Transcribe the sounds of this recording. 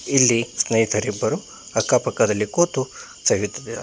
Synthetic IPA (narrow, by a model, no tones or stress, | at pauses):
ilːisnɐjit̪ʰɐɾibɐɾu | ɐkːaːpɐkɐd̪ɐlːikoːt̪u | sɐʋit̪ːɐd̪e